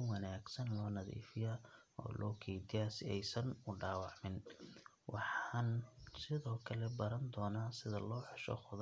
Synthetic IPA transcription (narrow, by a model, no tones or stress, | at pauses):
wɐnaːɡsɐnlɔːnɐðḭːfɪjaː | ɔ̰ːlʔɔːkʰɛjd̪ɪjaːsɪɛjsɐnʊɖɑːwɑʕmɪn | wʔɑħɑɑːnsɪðɔːkʰɐlɛbɐɾɐnd̪ɔːnaːsɪðɐlɔːħʊʃɔ̰χʊð